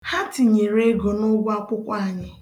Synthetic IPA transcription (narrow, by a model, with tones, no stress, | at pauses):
ha˦ti˨ɲe˨ɾe˦ɡo˨nʊ˦ɡʷa˦kʊ˦kʷa˦˨ɲɪ˨